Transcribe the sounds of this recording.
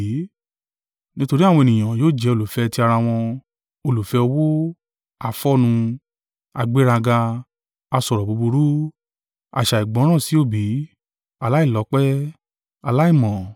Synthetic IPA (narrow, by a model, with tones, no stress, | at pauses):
nĩ˦to˧ɾi˦a˦˨w̃ɔ̃˧e˧nĩ˨j̃ã˨joː˦˨d͡ʒɛ˧˦o˧lu˨fɛ˧ti˧a˧ɾa˧w̃ɔ̃˧ | o˧lu˨fɛ˧ɔ˧wo˦ | a˨fɔ˦nũ˧ | a˧ɡ͡be˦ɾa˧ɡa˧ | a˧sɔ˨ɾɔ˨bu˨˧bu˧ɾu˦ | a̰˨ʃa˨i˨ɡ͡bɔ̃˨˦ɾ̃ã˦˨si˨˦o˦˨bi˨˦ | a˧la˦i˦˨lɔ˨˦k͡pɛ˦ | a˧la˦i˦˨mɔ̃˨